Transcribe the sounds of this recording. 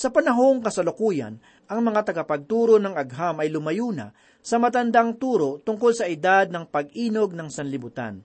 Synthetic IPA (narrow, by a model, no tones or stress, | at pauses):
sɐpɐnɐɦo̞ŋkɐsɐlʊkuːjɐ̰n | ʔɐŋmɐŋat̪ɐɡapɐɡ̚t̪uːɾonɐŋɐɡɦamɐjlʊmɐjuːna̰ | sɐmɐt̪ɐnd̪aŋt̪uːɾo̞t̪ʊŋko̞lsɐʔɪd̪ad̪̚nɐŋpɐɡ̚ʔiːno̞ɡ̚nɐŋsɐnlɪbʊt̪a̰n